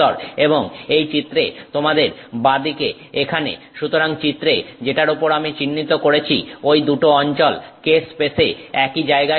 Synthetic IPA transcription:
ɔɾeboŋejt͡ɕit̪ːɾet̪omad̪eɾbad̪ike | ekʰanḛ | ʃut̪oɾaŋt͡ɕit̪ːɾed͡ʑeʈaɾopoɾamit͡ɕinːit̪okoɾet͡ɕʰḭojd̪uʈoɔnt͡ɕɔlkespeseɛkid͡ʑaeɡa

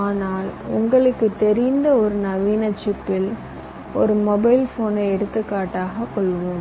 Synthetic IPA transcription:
aːnaːlʊŋɡɐɭɯkːɯt̪ːɛɾɪnd̪ɐɔɾɯnɐʋiːnɐt͡ʃːɪpːɪl | ɔɾɯmɔbɐɪlfoːnɐɪɛɽɯt̪ːɯkːaːʈːaːɣɐkːɔɭːʋoːm

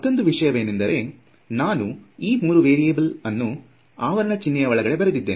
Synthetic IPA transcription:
ɐt̪ːo̞nd̪uʋiʂɐjɐʋe̞ːnend̪ɐɾe̞ | naːnuiːmuːɾuʋeːɾieːbɐlɐnːu | aːʋɐɾɐnɐt͡ʃinːɐjɐʋɐɭɐɡɐɭe̞bɐɾed̪id̪ːeːni

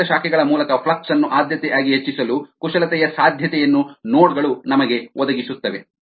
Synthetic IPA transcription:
ɐʃaːkʰɛɡɐɭɐmuːlɐkɐpʰlɐksɐnːuʔaːd̪ʱjɐt̪ɛjaːɡiɦet͡ʃːisɐlukuʃɐlɐt̪ɛjɐsaːd̪ʱjɐt̪ɛjɐnːunoːɽɡɐɭunɐmɐɡe̞ʋɔd̪ɐɡisut̪ːɐʋe

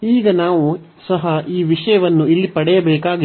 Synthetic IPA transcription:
iːɡɐnaːʋu | sɐɦɐʔiːʋiʂɐjɐʋɐnːuilːipɐɽɛjɐbɛːkaːɡi

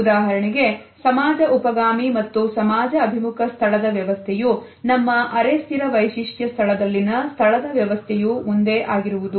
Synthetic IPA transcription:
ud̪aːɦɐɾɐɳiɡe̞ | sɐmaːd͡ʒɐʔupɐɡaːmimɐt̪ːusɐmaːd͡ʒɐːbʱimukʰɐst̪ʰɐɭɐd̪ɐʋjɐʋɐst̪ʰɛju | nɐmːɐʔɐɾest̪ʰiɾɐʋɐjʃiʂʈjɐst̪ʰɐɭɐd̪ɐlːinɐst̪ʰɐɭɐd̪ɐʋjɐʋɐst̪ʰɛjumund̪e̞ʔaːɡiɾuʋud̪u

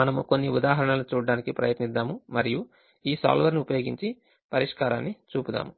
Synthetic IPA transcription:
ɐnɐmuko̞nːiud̪aːɦɐɾɐɳɐlut͡ʃuːɽɐɽaːnikipɾɐ̰jɐt̪nid̪ːaːmumɐɾiju | iːsa̰ːlʋɐɾniupɐjo̞ːɡiɲt͡ʃi | pɐɾiʂkaːɾaːnːit͡ʃuːpud̪a̰ːmu

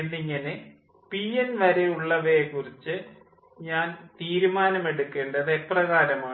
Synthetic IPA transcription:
enːiŋːɐne | pienʋɐɾeuɭːɐʋekːurit͡ɕːɨ | ɲaːnt̪iːɾumaːnɐme̞ɽukːe̞ːɳɖɐðeprɐɣaːɾɐmaː

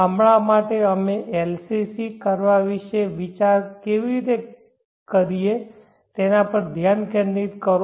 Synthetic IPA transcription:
amɭamaʈeəmeʔelsisikəɾʋaʋiʃeʋit͡ʃaɾkeʋiɾit̪e | kəɾije | t̪enapəɾd̪ʱjankɛnit̪kəɾ

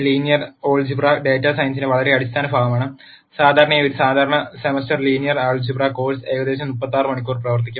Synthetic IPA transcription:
liːnijɐroːɭd͡ʑibraɖeːtːaːsɐjɐnsineʋɐɭɐɾe̞ɐɽist̪ʰaːnɐbʱaːɡɐmaːɳɨ | saːd̪ʱaːɾɐɳɐjoɾusaːd̪ʱaːɾɐɳɐsemɐstɐrliːnjɐraːɭd͡ʑibrako̞ːlse̞ːɡɐd̪e̞ːɕ̬ɐmupːɐt̪ːaːrɨmɐɳikʲːuːrprɐʋɐrt̪ikʲːum

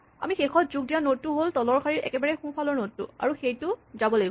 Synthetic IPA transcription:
a̰mixexʰɔt̚zuɡ̚dijanotːuɦoltɔlɔɹkʰaɹiɹɛ̰kɛbaɹɛxũpʰalɔɹnotːṵa̰ɹuxejtʊzabɔlaɡiɡ

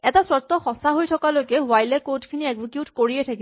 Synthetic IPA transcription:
ɛtaswɔt̪ːɔxɔsaɦojtʰɔkalojkɛwajlɛkodkʰiniɛɡzikjutkoɹiɛtʰaki

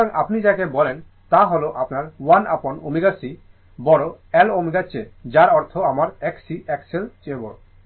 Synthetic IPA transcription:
aŋʔa̰pnid͡ʑakebɔlen | t̪aɦoloʔapnaɾwana̰pono̰miɡasi | bɔɽoɛlomiɡat͡ɕed͡ʑaɾɔɾt̪ʰoamaɾɛksiʔɛkselt͡ʃebo̰

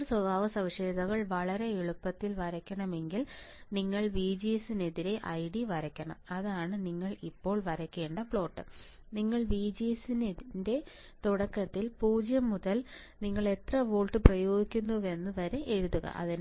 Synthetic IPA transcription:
swɐbʱaːʋɐsɐʋiʂeːd̪ɐɣɐɭʋɐɭɐɾe̞eɭupːɐt̪ːilʋɐɾɐkʲːɐɳɐme̞ŋɡilniŋːɐɭbiːd͡ʑisineðiɾe̞ʔɐjɖiʋɐɾɐkʲːɐɳɐ̰mɐðaːɳɨniŋːɐɭipːo̞ːɭʋɐɾɐkʲːe̞ːɳɖɐfɭo̞ːʈːɨ | niŋːɐɭbiːd͡ʑisinende̞ | t̪uɽɐkːɐt̪ːilpuːd͡ʑjɐmːuðɐl | niŋːɐɭe̞t̪rɐʋoːɭʈːɨprɐjo̞ːɡikʲːunːue̞nːɨʋɐɾeʔeɻuðuɣɐ̰ʔɐ̰ðin

